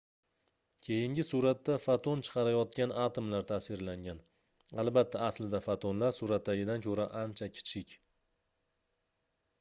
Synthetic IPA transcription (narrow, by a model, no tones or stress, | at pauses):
kʲʰe̞jɪŋɡʲɪsuɾat̪ːafat̪ʰont͡ʃʰɨ̥qʰɑɾajɒt̪̚kʲanat̪ʰomlaɾt̪ʰasvɪɾlaŋɡʲan | alˠbat̪ʰːaːslɪd̪afat̪ʰonlaɾsuɾat̪ːaɡʲɪd̪ankʲʰɵɾaʔant͡ʃʰakʲʰɪ̥t͡ʃʰɪkʲ